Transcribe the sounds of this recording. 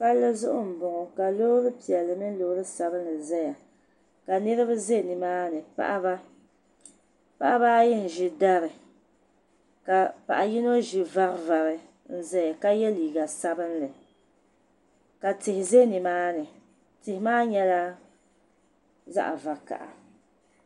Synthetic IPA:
pa˦lːɨ˦zʊ˦ʔʊ˦m̩˨bʊ˨ŋɔ˨ka˨lo˦ɾɨ˦pi˨ɛ˨lːɨ˨mɨ˦n˦lo˨hɾɨ˦sa˨bɨ˦n˦lɨ˨zɛ˦ja˨ | ka˨nɨ˦ɾɨ˦bɨ˦ze˦˨ni˨maː˦nɨ˨pa̰˦ʔa˦ba˦ | pa̰˦ʔa˦ba˦jɛ˦n̩˨ʒɪ˨da˦ɾɨ˨ | ka˨pa̰˨ʔa˨ji˦no˦ʒɪ˨va˦ɾva˨ɾɨ˨ | n̩˦zɛ˦ja˨ka˦jɛ˦liː˨ɡa˨sa˦bɨ˦nlɨ˨ | ka˨tɪ˨hɪ˨ze˦nɪ˨maː˦nɨ˨ | tɪ˨hɪ˨˦maː˦ɲɛ˦la˦ | za̰˦ʔa̰˨va˨ka̰˨ʔa̰˨

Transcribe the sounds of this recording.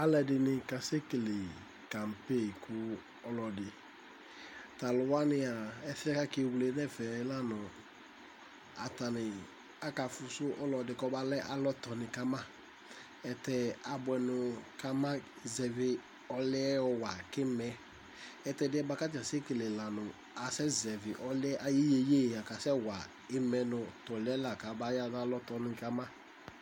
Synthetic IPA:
a˦lɛ˨dɪ˨nɪ̃˨ka˨se˦ke˨le˨ | ka˨mpe˦˨kʰʊ˨ | ɔ˨lɔ˨dɪ˨ | t̪a˨lʊ˨wa˦nɪ˦a˨ɛ˦θɪ˦ɛ˦ka˦kɪ˦˨wle˨˦nɛ˦fɛ˨˦la˦nɔ˨ | a˨t̪a˨nɪ˨ | a˦ka˨fʊ˨sʊ˦ʔɔ˦lɔ˨dɪ˨kɔ˦ba˦lɛ˦ʔa˨lɔ˦t̪ɔ˨nɪ̃˨ka˦mã˦ | ɛ˧tɛ˧a˨bʊ˨˦ɛ˨nʊ˧ka˦mã˦ | zɛ˨vɪ˧ | ɔ˧lɪ˦ɛ˦ɔ˧wa˨kɪ˦mɛ˨ | ɛ˦tɛ˨˧˨dɪ˦ɛ˦ba˧ka˦ta˨se˦kɪ˨lɛ˨la˨nʊ˨ | a˨sɛ˦zɛ˨vɪ˨ʔɔ˦lɪ˦ɛ˦ʔa˨ji˦je˦je˦˨a˨ka˨sɛ˦˨wa˨ | ɪ˦mɛ˧nʊ̃˧tɔ˨lɛ˦la˨ka˨ba˦ja˦a˦lɔ˦tɔ˧nɪ˧ka˦mã˦

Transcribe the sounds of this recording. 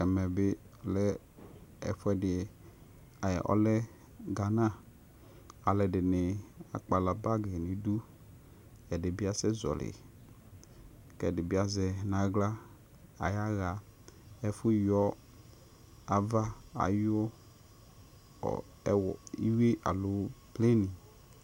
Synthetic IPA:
ɛ˨mɛ˨bɪ˦˨ | lɛ˦ | ɛ˨ɸɛ˨dɪ˨ | a̰˨ʔɔ̰˦lɛ˦ | ɡa˨nã˦ | a˨lɛ˨dɪ˨nɪ˨a̰˨k͡pa˨la˨ba˦ɡɪ˨nɪ̃˨du˦ | ɛ˨dɪ˨bɪ˦a˨sɛ˦zɔ̰˨lɪ̰˨ | kɛ˨dɪ˨bɪ˦a˨zɛ˨nã˨ɡla˦ | a̰˨ja˦ɣa˨ | ɛ˦fʊ˦jɔ˦ | a˨va˦a̰˨jɔ˦ | ɔ̰˨˦ | wɔ˨i˦we˦ʔa̰˨lʊ˨˦ple˦nɪ˨

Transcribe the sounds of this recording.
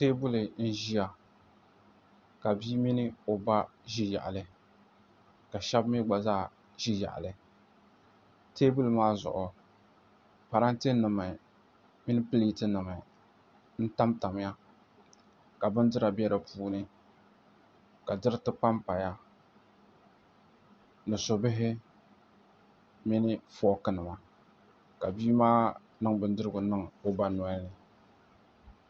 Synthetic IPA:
teː˦bu˦lɨ˨n̩˦ʒi˦ja˨ | ka˨biː˦mi˦nɨ˦o˨ba˦ʒi˦ja̰˨ʔa̰˨lɨ˨ | ka˨ʃɛ˦bmi˦ɡ͡ba˨zaː˦˨ | ʒi˦ja̰˨ʔa̰˨lɨ˨ | teː˦bu˦lɨ˨maː˦zʊ̰˨ʔʊ˨ | pa˨ɾa˦nte˦nɨ˨ma˨ | mi˦nɨ˦pɨ˦li˦tɨ˦nɨ˨ma˨ | n̩˦ta˦mta˨m˦ja˦ | ka˨bɨ˦ndɨ˦ɾa˨bɛ˦ɾɨ˨pʰuː˦nɨ˦ | ka˨dɨ˦ɾɨ˦tɨ˦pa˦mpa˨ja˦ | nɨ˨sʊ˨bɪ˦ɦɪ˦ | mɪ˦nɪ˦fɔ˦kɨ˦nɨ˨ma˨ | ka˨biː˦maː˦ | nɨ˦ŋbɨ˨ndɨ˦ɾɨ˦ɡʊ˨nɨ˦ŋo˦ba˨nɔ˨ɛ˦lɨ˨

